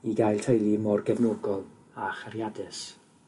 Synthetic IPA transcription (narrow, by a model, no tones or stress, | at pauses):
iɡajlˠtʰəjlˠimɔrɡɛvnoːɡɔlˠ | aχaɾjadɨs